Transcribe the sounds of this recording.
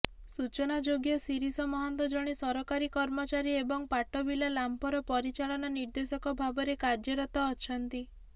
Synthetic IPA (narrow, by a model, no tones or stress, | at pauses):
sut͡ʃɔnad͡ʒoɡjɔsiɾisɔmɔɦɔnt̪ɔd͡ʒɔɽ̃isɔɾɔkaɾikɔɾmɔt͡ʃaɾiebɔŋpaʈɔbilalampɔɾɔpɔɾit͡ʃaɭɔnɔniɾd̪esɔkɔbʱabɔɾekaɾd͡ʒɔɾɔt̪ɔːt͡ʃʰɔnt̪i